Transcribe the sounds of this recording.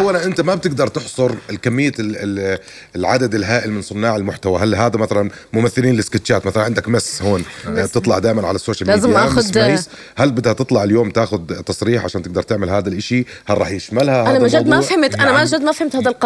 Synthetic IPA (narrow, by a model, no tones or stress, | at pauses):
ʔawːalanʔɪnt̪amab̚t̪ɪɡ̚d̪ɑɾˤt̪ɪħsˤʊɾkamːɪjːa | lʕad̪ad̪ɪlɦaːʔɪlmɪnsˤʊnːɑːʕɪlmʊħt̪awaɦalɦaːd̪amaθalanmʊmaθːɪliːnlɪskɪt̪ːt͡ʃaːt̪maθalanʕɪnd̪akmashoːnb̚t̪ɨt̪ˤlɑʕd̪aːʔɪmanʕa̰lasːoːʃalmliaːdzmjʔaːxʊd̪iːs | halbɪd̪hat̪ɨt̪ˤlɑʕɪljoːmt̪aːxʊd̪t̪ːɑsˤɾiːħʕaʃaːnt̪ɪɡ̚d̪ɑɾˤt̪ɪʕmɪlɦaːd̪alʔɪʃi | harˤɑ̰ːħjɪʃmalhaaamaʒad̪mafhamt̪ʔanamaʒad̪ːmafhɪmt̪haːd̪alq